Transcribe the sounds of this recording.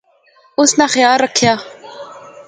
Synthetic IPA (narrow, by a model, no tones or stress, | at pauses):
ʊsnaxjaːlːəkʰjaː